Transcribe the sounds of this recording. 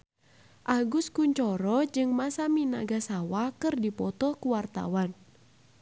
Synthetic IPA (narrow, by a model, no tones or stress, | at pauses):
ʔaɡuskuɲt͡ʃɔɾɔd͡ʒɨŋmasamina̰ɡasawakɨrdipɔt̪ɔkuwart̪a̰wan